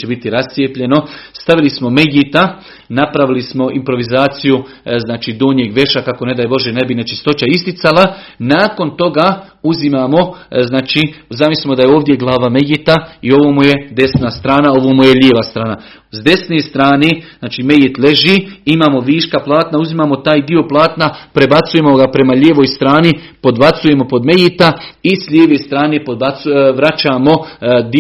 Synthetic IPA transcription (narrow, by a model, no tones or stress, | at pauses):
t͡ʃebit̪iɾast̪sijepʎe̞no̞st̪aʋilismo̞me̞ɡit̪a | napɾaʋilismo̞ʔimpɾo̞ʋizaːt̪siju | znaːt͡ʃiːd̪oːɲjeːɡʋe̞ʃakako̞ne̞d̪aːjbo̞ʒene̞binet͡ʃist̪o̞t͡ʃaist̪it̪sala | naːko̞nt̪o̞ɡaː | uzimaːmo̞znaːt͡ʃizamislimo̞d̪ajeoːʋd̪je̞ɡlˠaːʋamejɡit̪aio̞ʋoːmujed̪e̞snast̪ɾaːnao̞ʋoːmujeʎeːʋast̪ɾaːna | zd̪e̞sneːst̪ɾaːneznaːt͡ʃiːme̞jet̪le̞ʒiːimaːmo̞ʋiːʃkaplˠaːt̪nauzimaːmo̞t̪aːjd̪io̞plˠaːt̪napɾe̞bat̪suje̞moɡapɾe̞maʎʲeːʋojst̪ɾaːni | po̞d̪bat̪suje̞mo̞po̞d̪me̞jit̪aisʎʲeːʋest̪ɾaːne̞pod̪bat̪ʋɾat͡ʃaːmo̞d̪i